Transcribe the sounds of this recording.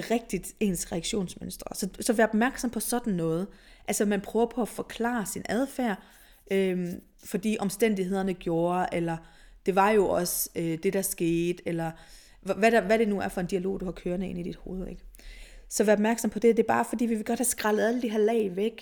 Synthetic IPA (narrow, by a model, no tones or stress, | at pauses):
ʁɛɡ̥̚d̥id̥e̝̰ːnsʁɛæɡ̥ɕo̝̰ːnsmønsd̥ʁɐsɒ̽sɒ̽ʋæːɐɒb̥̚mæɐɡ̥sɒ̽mpʰɒ̽sɒ̽d̥n̩nɔ̽ːð̩ˠʔælsəmænpʰʁœːʊɐpʰɒ̽æfɒ̽kʰlɑ̰̈ːsinæð̞ˠfæɐ̰ | ʔøm | fɒ̽d̥ḭːʔɒ̽msd̥en̰d̥iɦe̝ð̞̰ˠɐnəɡ̥jo̝ːɐʔelɐd̥e̝ʋɑ̈jo̝ʔɒ̽sød̥e̝d̥ɑ̈sɡ̥e̝̰ːd̥elɐ | ʋæɾæʋæɾ̥e̝nuæɐfɒ̽e̝nd̥iælo̝̰ːd̥uhɑ̈kʰøːɐnəe̝nid̥id̥ho̝ːð̞̩ˠeɡ̥sɒ̽ʋæːɐɒb̥mæɐɡ̥sɒ̽mpʰɒ̽d̥e̝d̥e̝b̥ɑ̈ːfɒd̥ḭːʋiʋe̝ɡ̥ɒ̽d̥hæsɡ̥ʁɑ̈lð̩ˠæləd̥iɦeɐlɛ̰ːɪʋeɡ̥